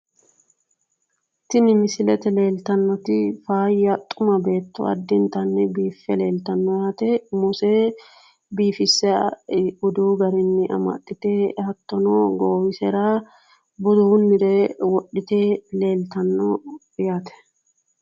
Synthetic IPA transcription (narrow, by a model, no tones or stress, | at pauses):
t̪ɪnɪmɪsɪlɛt̪ɛle̞ːlt̪ɐnːɔt̪ɪfaːjːɐt̪ʼʊmɐbe̞ːt̪ːɔ̰ɐ̰d̪ːɪnt̪ɐnːɛbiːfːɛle̞ːlt̪ɐnːɔjaːt̪ɛmʊseː | biːfɪsːɛ | ʊd̪uːɡɐɾɪnːɪʔɐ̰mɐ̰t̪ʼːɪt̪eːhɐt̪ːɔnoːɡoːwɪsɛɾaː | bʊd̪ʊʊnːɪɾeːwɔɗɪt̪eːle̞ːlt̪ɐnːɔ | jaːt̪ɛ̥